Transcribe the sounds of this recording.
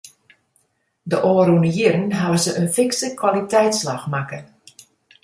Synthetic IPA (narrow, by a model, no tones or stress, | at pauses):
dəʔoːɾunəjiɾənɦaʋəzəʔənfɪŋksəkwalitɛjtslaxmakə